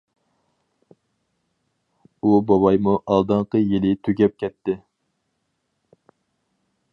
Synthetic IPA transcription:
ubɑwɑjmuʔɑlˠd̪ɨɴqəjilɪt̪ʰyɡʲɛp̚kʲɛt̪ːɪ

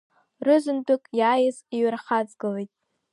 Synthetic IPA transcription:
rɨzɨndʷʼʊkʼjaːjɪziɥrχad͡zɡɨlejtʼ

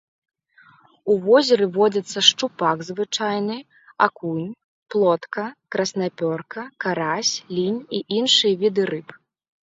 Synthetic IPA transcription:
uvɔzʲɛɾɨvɔd͡zʲɐt̪sːɐʂt͡ʂupaɡzvɨt͡ʂajnɨ | akunʲ | plˠɔt̪kɐkɾɐsnapʲɔrkɐkaɾasʲlʲinʲiʔinʂɨjɐvʲid̪ɨɾɨp

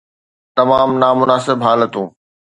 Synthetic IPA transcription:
t̪ɐmaːmnaːmʊnaːsɪbɦaːlət̪ũː

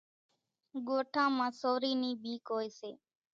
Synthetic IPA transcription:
ɠoːʈʰãːmãːsoːɾiːniːɓʱiːkɦoːeːseː

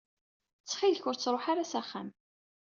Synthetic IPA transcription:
t͡sːχilçʊɾt͡sːɾˤoħaɾasæχːæ̰m

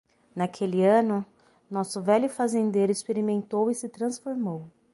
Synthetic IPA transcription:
nakʰelɪɐ̃nʊ | nɔsʊvɛʎʊfazẽnd̪eɾʊɪspeɾimẽnt̪owisɪt̪ɾɐ̃sfoɾmow

